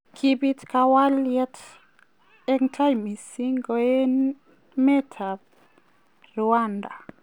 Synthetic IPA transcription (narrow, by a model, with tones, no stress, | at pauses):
kʰi˦bi˦tka˦wa˦ljɛ˦t | ɛ˦ŋtʰa˦jmi˨si˦ŋɡo˨e˦n | mɛ˦tʰa˨b | rwa˦nda˨